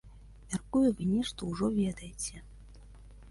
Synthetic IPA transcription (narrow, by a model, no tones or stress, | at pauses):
mʲarkujuvɨnʲɛʂt̪ɔuʐɔvʲɛd̪ɐjet͡sʲɛ